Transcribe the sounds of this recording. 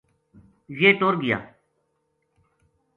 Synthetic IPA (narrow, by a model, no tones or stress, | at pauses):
jeːt̪oːɾɡɪja̰ː